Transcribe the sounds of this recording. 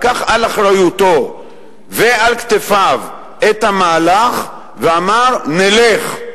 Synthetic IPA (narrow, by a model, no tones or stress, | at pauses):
kaχalaχʁajut̪o | vealkt̪efav | et̪hamaːlaχ | veamaʁneleχ